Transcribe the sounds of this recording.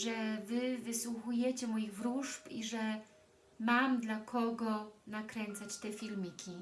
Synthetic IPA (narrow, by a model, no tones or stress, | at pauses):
ʐɛvɘvɘswuxujɛt͡ɕɛmɔjiɣvɾuʐpḭʐɛ | mamd̪lakʰɔɡɔnakɾɛnt̪sat͡ɕt̪ɛfʲilmʲikʲʰi